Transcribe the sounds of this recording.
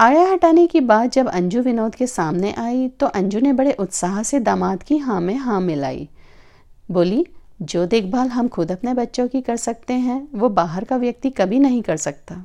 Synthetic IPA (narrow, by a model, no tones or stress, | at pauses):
aːjaɦɐʈaːnekibaːt̪̚d͡ʒɐbɐ̰̃ɲd͡ʒuʋɪnoːd̪kesaːmneʔaːit̪oʔɐ̃ɲd͡ʒunebɐɽeʔʊt̪saːɦsed̪aːmaːt̪kiɦãːmẽɦãːmɪla̰ːḭː | boːlid͡ʒoːd̪eːkʰbaːlɦɐmxʊd̪ɐpnebɐtːʃõkikɐɾsɐk̚t̪eɦɛ̃ʋobaːɦəɾkaʋjɐk̚t̪ikɐbʱinɐɦĩkɐɾsɐk̚t̪aː